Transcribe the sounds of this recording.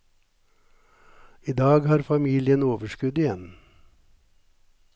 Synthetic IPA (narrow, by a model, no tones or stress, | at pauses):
iːd̪ɑːɡhɑːɾfɑmiːlɪənoːʋəʃkʉd̪ɪjɛn